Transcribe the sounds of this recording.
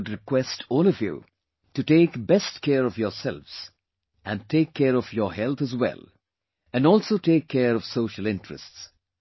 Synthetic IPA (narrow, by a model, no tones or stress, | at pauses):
dɾɪkwɛstʰɔːlɔvjṵ | ʈuʈeːkbɛstkʰɛɾɔfjɔsɛ̰lʋz̥ | æ̃n̚ʈʰeːkʰːɛɾɔfjɔɦɛlt̪ʰəzwɛ̰lˠ | æ̃nɔːlsoʈeːkʰːɛɾɔv̥soːʃəlɪ̃ntɹə̰sts